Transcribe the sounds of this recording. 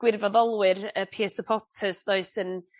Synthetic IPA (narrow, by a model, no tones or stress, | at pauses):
ɡ̥wɪrvɔðɔlˠwɨrəpʰiɛsəpʰɔtʰəsd̥oɨsən